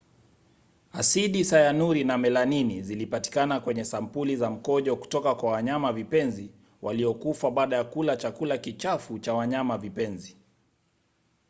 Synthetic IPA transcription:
asiɗisajanuɾinamɛlaninizilipati̥kanakwɛɲɛsam̩pulizam̩kɔʄɔku̥tɔkakwawaɲamavipɛnzi | wʔaliɔkufaɓaːɗajakulat͡ʃakulakit͡ʃafut͡ʃawaɲamavipɛnzi

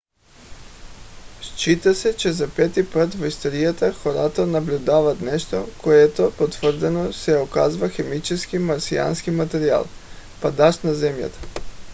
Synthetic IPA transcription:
ʃt͡ʃit̪asɛt͡ʃɛzapɛt̪ipat̪voist̪oɾijat̪axoɾat̪onablʲud̪avat̪nɛʃt̪okoɛt̪opot̪vr̩d̪ɛnosɛokazvaxɛmit͡ʃɛskimaɾsia̰nskimat̪ɛɾia̰lˠ | pad̪aʃnazɛmja̰t̪ḁ

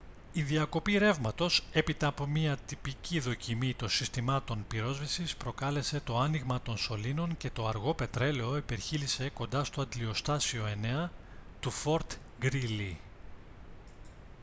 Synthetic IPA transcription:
iðiɐko̞piɾe̞vmɐt̪o̞se̞pit̪ɐɐpo̞miɐt̪ipiciðo̞cimit̪o̞nsist̪imɐt̪o̞npiɾo̞zvisispɾo̞kɐle̞se̞t̪o̞ɐniɣmɐt̪o̞nso̞lino̞ŋce̞t̪o̞ɐɾɣo̞pe̞t̪ɾe̞leo̞ipe̞ɾçilise̞ko̞nd̪ɐst̪o̞ɐd̪lio̞st̪ɐsio̞e̞ne̞ɐ | t̪ufo̞ɾt̪ | ɡɾili

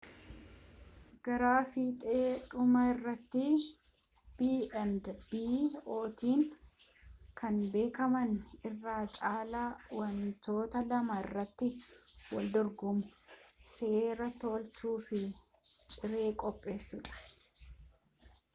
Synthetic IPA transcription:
ɡ̥ɐɾaːfiːt̪ʼeːᶑʊmɐɪrːɐt̪ːɪ | b̥iːɛnd̪b̥iːo̞ːt̪iːŋ | kɐnbe̞ːkɐmɐnɪrːaːt͡ʃʼaːlawɐnt̪o̞ːt̪ɐlɐmɐɪrːɐt̪ːɪwɐ̰ld̪ɔɾɡʊmʊ̥seːrɐt̪ːoːlt͡ʃuːfɪ | t͡ʃʼɪɾe̞ːkʼɔpʼːe̞ːsːʊᶑɐ̥

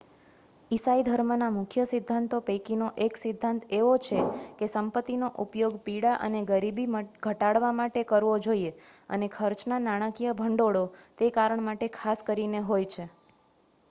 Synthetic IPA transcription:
isaid̪ʱəɾmənamʊkʰjəsɪd̪ʱːant̪opekinoʔeksɪd̪ʱːant̪eʋot͡ʃʰekesəmpət̪ːinoʔupjoɡpiɽaʔə̰neɡəɾibiɡʱəʈaɽʋamaʈekəɾʋod͡ʒoieə̰nekʰəɾt͡ʃnanaɽ̃əkijəbʱəɳɖoɽot̪ekaɾəɳmaʈekʰaskəɾineɦojt͡ʃʰe

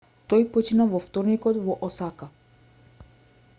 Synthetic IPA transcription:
t̪ɔjpɔt͡ʃinavɔft̪ɔɾnikɔt̪vɔʔɔsaka

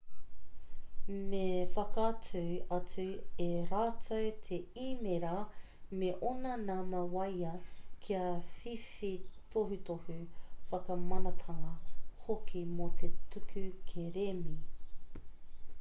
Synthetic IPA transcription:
mefɐkɐt͡sʰuɐt͡sʉeɾaːtʰowt̪ʰeimeɾɐ | meʔonɐnamɐwɐjɐkʰiɐfifit̪ʰoɦutohʉfɐkɐmɐnɐt̪ʰɐŋɐhokimot̪ʰetʉkʰʉkʰeɾemi

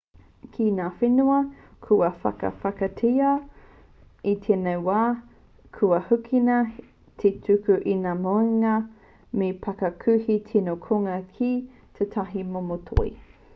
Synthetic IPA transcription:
kʰinaːfenuɐkʰuɐfɐ̰kɐ̰fɐkɐtʰiɐ | it̪ʰenewwaː | kʰuɐhukʰinɐ | tʰetʰʉkʉʔinaːmoeŋɐ | mepɐkɐkʰʉhitʰinokʰoŋɐkʰi | t̪ʰet̪ʰɐɦimomotʰo̰ḭ

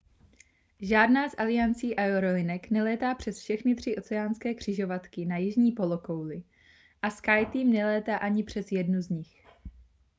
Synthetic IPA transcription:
ʒaːdnaːzʔalɪjant͡siːʔajoɾolɪnɛknɛlɛːt̪aːpr̝̥ɛsfʃɛxnɪt̪r̝̥ɪʔo̞t͡sɛaːnskɛːkr̝̥ɪʒo̞vat̪kɪnajɪʒɲiːpo̞lokowlɪ | ʔaskajt̪iːmnɛlɛːt̪aːʔaɲɪpr̝̥ɛsjɛdnuzɲɪx

